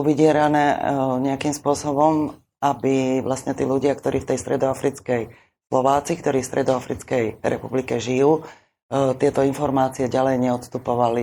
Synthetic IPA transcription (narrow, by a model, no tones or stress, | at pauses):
uʋiɟɪɛɾanɛːɲɛakimspʊɔsɔbɔm | abiʋlastɲɛt̪iːluɟɪakt̪ɔɾʔiːft̪ɛjst̪ɾʔɛd̪ɔafɾit͡skɛj | slɔʋaːt͡sikt̪ɔɾiːfst̪ɾʔɛd̪ɔafɾit͡skɛjɾʔɛ̰publikɛʒijuː | t̪ɪɛt̪ɔinfɔɾmaːt͡siɛɟalɛjɲɛɔt̪st̪upɔʋali